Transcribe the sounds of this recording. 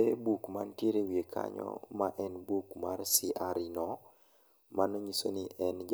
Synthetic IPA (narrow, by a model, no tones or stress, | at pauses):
ebukmantjeɾewiekʰa̰ɲɔ̰maʔɛnbukmarsiʔaɾinɔ | manɔɲiso̰niʔɛnd͡ʒ